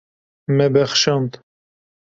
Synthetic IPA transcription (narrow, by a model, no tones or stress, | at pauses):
mɛbɛxʃɑnt̪